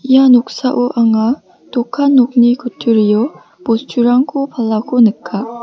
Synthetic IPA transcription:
ijanok̚saʔoʔaŋa | t̪okʰanːok̚nikɯtʰɯɾijɔ | post͡ɕʰuɾaŋɡopalːaɡonɯkʰa

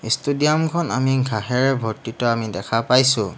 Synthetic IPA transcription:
istudiamkʰɔna̰miɡʱaɦɛɹɛbʱɔɹtitɔamidɛkʰapajsʊ̰̃

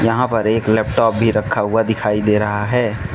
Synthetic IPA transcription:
jɐɦãpɐɾeːklɛːpʈɔːp̚bʱiɾɐkʰːaɦʊad̪ɪkʰaːid̪eːɾɐɦaɦɛː

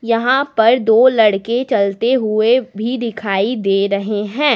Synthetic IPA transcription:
jɐɦãpɐɾd̪oːlɐɽket͡ʃɐlt̪eɦʊebʱid̪ɪkʰaːid̪eːɾɐɦeɦɛ̃ː

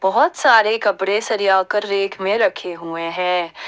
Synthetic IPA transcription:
b̥ɔɦɔt̪saːɾekɐpɾesɐɾijaːkəɾːeːkmẽɾɐkʰeɦueɦɛ̃ː

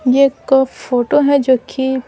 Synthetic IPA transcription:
jekfoːʈoɦɛd͡ʒoːki

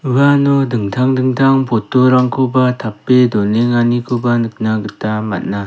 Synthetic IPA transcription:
ɯanɔdɯŋtʰaŋdɯŋtʰaŋpʰotːoɾaŋkʰubatʰapːedɔneŋanikʰubanɯk̚naɡɯtama̰t̚na

